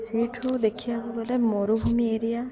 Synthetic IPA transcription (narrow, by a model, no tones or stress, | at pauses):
seʈʰod̪ekʰijaɦɡɔlemoɾubʱumieɾija